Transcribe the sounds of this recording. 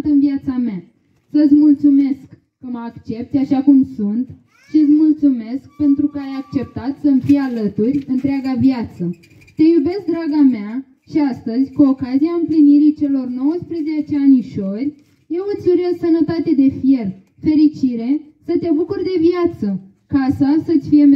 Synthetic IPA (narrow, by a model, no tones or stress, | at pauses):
t̪ɨnviat̪samea | səɨt̪sʲmult̪sume̞skː | əməːkt͡ʃe̞pt̪sʲaʃakumsunt̪ | ʃiɨt̪sʲmult̪sume̞sk̚pe̞nt̪ɾukəajak̚t͡ʃe̞p̚t̪at̪səmfijalət̪urʲɨnt̪ɾeaɡaviat̪sə | t̪e̞jube̞sk̚d̪ɾaɡamea | ʃiast̪əzʲkuo̞kaziaɨmpliniɾit͡ʃe̞lo̞rno̞wəspɾezet͡ʃeanʲiʃo̞rʲ | jewɨsuɾiəsənət̪at̪e̞d̪e̞fije̞r | fe̞ɾit͡ʃiɾe̞ | sət̪ebukurd̪e̞viat̪sə | kasasət̪ʲfije̞